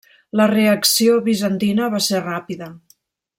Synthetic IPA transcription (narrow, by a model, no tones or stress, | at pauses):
ləreəksioβizənt̪inəβ̞aserapiðə